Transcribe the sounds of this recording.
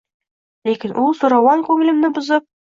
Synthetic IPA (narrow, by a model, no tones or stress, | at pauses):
lækinʔulˠsuɾɑwɑŋkʉŋɘ̆lɘ̆mnɘbŏzɤp̚